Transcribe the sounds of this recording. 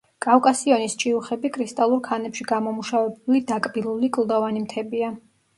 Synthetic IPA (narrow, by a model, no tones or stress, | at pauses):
kʼafkʼasiɔnist͡ʃʼiuχɛbikʰɾist̪ʼalˠuɾkʰanɛpʃiɡamɔmuʃavɛbulid̪akʼbilˠulikʼlˠd̪ɔvanimt̪ʰɛbia